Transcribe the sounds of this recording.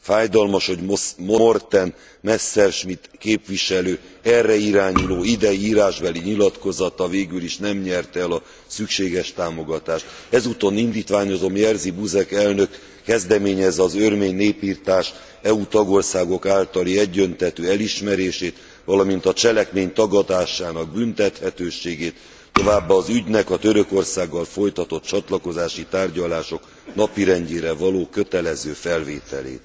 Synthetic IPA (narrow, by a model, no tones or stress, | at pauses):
faːjd̪ɒlmɒʃho̞ɟomoort̪ɛn | mɛsːɛrʃmit̪keːpʋiʃɛløːɛrːɛiɾaːɲuloːid̪ɛjiiːɾaːʒbɛliɲilɒt̪ko̞zɒt̪ɒveːɡyliʃnɛmɲɛrt̪ɛlɒ | sykʃeːɡɛʃt̪aːmo̞ɡɒt̪aːʃt̪ɛzut̪o̞nind̪iːt̪ʋaːɲo̞zo̞mjɛrzibuzɛkɛlnøkː | ɛzd̪ɛmeːɲɛzɒzørmeːɲneːpiːrt̪aːʃ | ɛut̪ɒɡo̞rsaːɡo̞kaːlt̪ɒliɛɟːønt̪ɛt̪øːɛliʃmɛɾeːʃeːt̪ | ʋɒlɒmint̪ɒt͡ʃɛlɛkmeːɲt̪ɒɡɒt̪aːʃaːnɒɡ̚bynt̪ɛt̪hɛt̪øːʃeːɡeːt̪ː | o̞vaːbːaːzyɟnɛkɒt̪ø̞ɾøko̞rsaːɡːɒlfo̞jt̪ɒt̪o̞t̪̚t͡ʃɒt̪lɒko̞zaːʃit̪aːrɟɒlaːʃo̞k | nɒpiɾɛɲɟeːɾɛvɒloːkø̞t̪ɛlɛzøːfɛlvḛːt̪ɛ̰lḛːt̪